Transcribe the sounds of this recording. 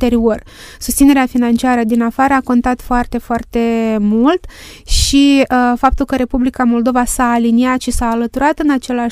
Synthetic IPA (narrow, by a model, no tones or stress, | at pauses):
t̪e̞ɾio̞r | su̥st̪sine̞ɾeafinant͡ʃiaɾəd̪inafaɾəako̞nt̪at̪foart̪e̞foart̪e̞mult̪ | ʃifap̚t̪ulkəɾe̞publikamo̞ld̪o̞vasaːliniat̪ʃisaːlət̪uɾat̪ɨnat͡ʃe̞lea